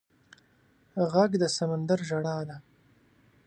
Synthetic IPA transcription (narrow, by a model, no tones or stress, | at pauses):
ɣaɡd̪əsamand̪aɾʒaɽɑd̪a